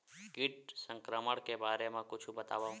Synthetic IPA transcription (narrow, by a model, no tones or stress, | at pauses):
kiʈ̚səŋkɾəməɽkebʱaɾemãkʊt͡ʃʰũbət̪aʋa